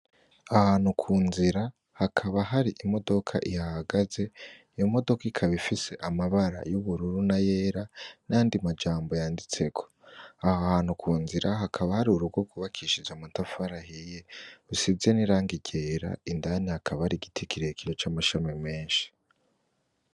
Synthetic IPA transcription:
ahaːnhukʰuːnziɾa | hakʰaβaɦaɾiʔimo̞do̞kʰa̰ʔihahaɡaze̞ijomo̞do̞kaikʰaβifise̞ʔamaβaɾa̰juβuɾuɾunaje̞ːɾanajaːndimad͡ʒaːmbo̞jaːndit͡se̞kʰo̥ahahaːnhukʰuːnziɾaɦakʰaβahaɾiuɾuɡo̞kʰuβakʰiʃid͡ʒamuntafaɾahije̞usizeniɾaːŋɡiɟe̞ːɾa̰indanihakʰaβahaɾiɡitʰikiɾekiɾot͡ʃaːmaʃamime̞ːnʃi̥

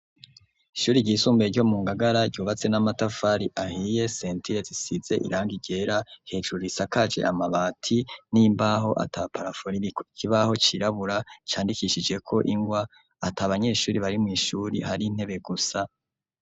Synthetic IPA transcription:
iʃuːɾiɟɟiːsuːmbeɾɟo̞muːŋɡaɡaɾaɟɟuːβat͡se̞namatafaɾiʔahije̞seːntiɾezisize̞ʔḭɾaːŋɡiɟe̞ɾahe̞d͡ʒuɾisakad͡ʒe̞̰ʔa̰maβaːtʰinimbaɦo̞ʔa̰tʰapaɾafoɾiikiβaho̞t͡ʃiɾaβuɾat͡ʃaːndikiʃid͡ʒe̞kʰo̞ʔiŋɡwaː | taβaɲe̞ːʃuːɾiβaɾimŋiːʃuɾihaɾin̥he̞βe̞ɡusa

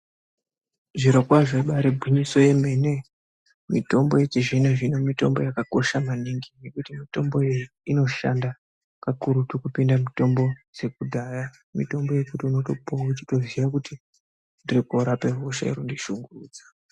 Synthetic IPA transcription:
ʐiɾokwaʐeɓaɾebʱwiɲiso̞je̞me̞ne̞ | mito̞mbo̞jet͡ʃiʐineʐinomito̞̰mbo̞̰jakako̞ʃamaniŋɡine̞kutimito̞mbo̞ | ino̞ʃa̰nda | kakuɾutukupindamito̞mbo̞d͡ze̞kudʱaːja | mito̞mbo̞je̞kutiuno̞to̞pout͡ʃito̞ziʋakuti | ndirikoɾape̞roʃa̰ḭɾondiʃuŋɡuruːd͡zḁ

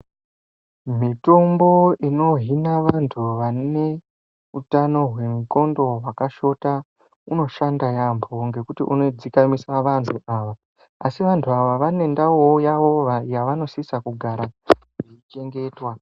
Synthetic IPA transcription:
mito̞mbo̞ino̞ɦinaʋantʰuʋane̞ | utano̞ɦwe̞muko̞ndo̞ɦwakaʃo̞ta | uno̞ʃandajambʰoŋɡe̞kutiʔuno̞d͡zikamisaʋantʰuʔaːʋa | asiʋantʰuaʋaʋane̞ndawojaʋojaʋano̞sisakuɡʱaɾaʐeit͡ʃe̞ŋɡe̞ːtwa

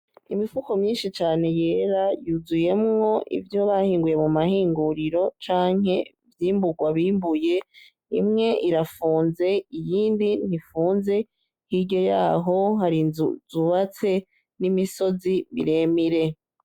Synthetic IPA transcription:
imifuko̞mɲiːnʃit͡ʃaːne̞je̞ːɾajuzuje̞mŋo̞ʔḭvjo̞βahiːŋɡuje̞mumahiːŋɡuɾiɾo̞t͡ʃaːŋhe̞ | vjiːmbuɡwaβiːmbuje̞ | imŋe̞ʔiɾafuːnze̞ijiːndin̥hifuːnze̞ | hiɾɟo̞jaːɦo̞ɦaɾizuβat͡se̞ | nimiso̞ziβiɾe̞miɾe̞

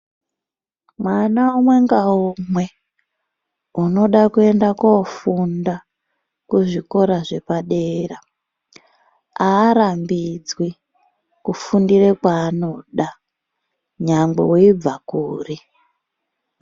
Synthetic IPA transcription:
mwanaumwe̞ŋɡaumwe̞ | uno̞ɗakue̞ndakofunda | kuʐiko̞ɾaʐe̞paɗeːra | aːɾambid͡zwi | kufundirekwaːno̞ɗa | ɲaŋɡ͡bḛwoib͡vakuːri

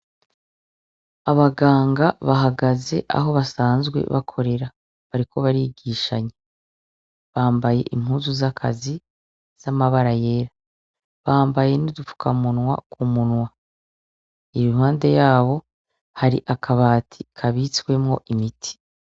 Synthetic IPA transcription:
aβaɡaːŋɡaβaɦaɡaze̞̰ʔa̰ɦo̞βasaːnzɡwe̞̰βa̰kʰo̞ɾe̞ɾa | βaɾiko̞βaɾiɡiːʃaɲe | βaːmbaje̞̰ʔim̥huːzuzakʰa̰zi | z̥amaβaɾaje̞ːɾa | βaːmbaje̞nidufu̥kʰamunwa̰kumunwa | iɾihaːnde̞jaːβo̞ | haɾiʔakʰaβaːtʰikʰaβit͡swe̞mŋo̞̰ʔimitʰi̥

